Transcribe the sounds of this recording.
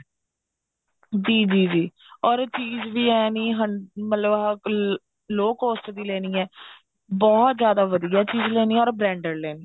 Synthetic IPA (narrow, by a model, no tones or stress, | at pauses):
d͡ʒiːd͡ʒiːd͡ʒiː | ɔːɾt͡ʃiːzʋiːɛːniːɦəɳmət̪ləb | loːkɦoːsʈ̪d̪iːlɛːniːɛ̃ː | bɔːt̪zjaːd̪aːʋəd̪ijaːt͡ʃiːzleːniːɔːɾbɾɛ̃ːɳɖəɾlɛːniː